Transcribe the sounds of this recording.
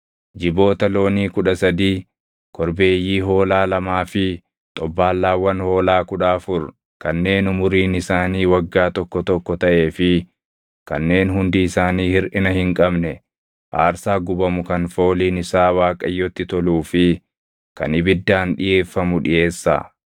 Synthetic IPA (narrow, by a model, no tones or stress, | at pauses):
d͡ʒɪbo̞ːt̪ɐlo̞ːniːkʊᶑɐsɐd̪iː | kʰɔɾbeːjːiːɦo̞ːlaːlɐmaːfɪ | t̪ʼɔbːaːlːaːwːɐnho̞ːlaːkʊᶑaːfʊɾ | kɐnːe̞ːnʊmʊɾiːnɪsaːniːwɐɡːaːt̪ɔkːɔt̪ɔkːɔt̪ɐʔe̞ːfɪ | kɐ̰nːe̞ːnɦʊnd̪ɪɪsaːniːhɪɾʔɪnɐhɪŋkʼɐbnɛ | ʔa̰ːɾsaːɡʊbɐmʊkɐnfo̞ːliːnɪsaːwaːkʼɐjːɔt̪ːɪt̪ɔluːfɪ | kɐ̰nɪbɪd̪ːaːnᶑɪjeːfːɐmʊᶑɪje̞ːsːa̰ː